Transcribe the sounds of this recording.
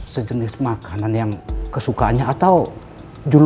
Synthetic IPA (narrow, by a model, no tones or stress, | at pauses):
səd͡ʒənɪsmakananjaŋkəsukaanɲaat̪aw | d͡ʒul